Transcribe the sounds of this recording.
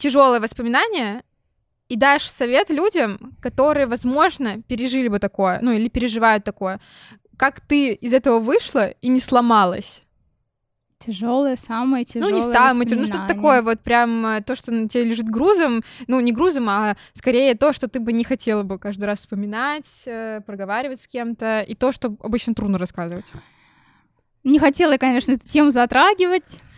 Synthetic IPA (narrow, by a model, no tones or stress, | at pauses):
tʲɪʐo̞lˠəjəvəspəmʲɪnanʲɪjə | id̪aɪʂsɐvʲet̪lʲudʲəmkɐt̪o̞ɾɨjəvɐzmo̞ʐnəpʲɪɾʲɪʐɨlʲɪbɨt̪ɐko̞jə̰nuilʲɪpʲɪɾʲɪʐɨvajʊt̪ːɐko̞jə | kakt̪ɨɪzɛt̪əvəvɨʂlˠəinʲɪslˠɐmalˠə̰sʲ | tʲɪʐolˠəjəsamɨjəɪnunʲɪsaməjətʲɪnuʂt̪ot̪ət̪ɐko̞jəvo̞t̪̚pɾʲamət̪o̞ʂt̪otʲɪelʲɪʐɨt̪ɡɾuzəmnunʲɪɡɾuzəmɐskɐɾʲejət̪o̞ʂt̪o̞t̪ɨbɨnʲɪxɐtʲʰe̞lˠəbɨkaʐd̪ɨjɾasfspəmʲɪnatʲəpɾəɡɐvaɾʲɪvətʲskʲe̞mt̪əit̪o̞ʂt̪oɐ̰bɨt͡ɕnət̪ɾud̪nəɾɐskazɨvətʲ | nʲɪxɐtʲelˠəjkɐnʲe̞ʂnəɛt̪ʊ̥tʲemʊzɐt̪ɾaɡʲɪvətʲ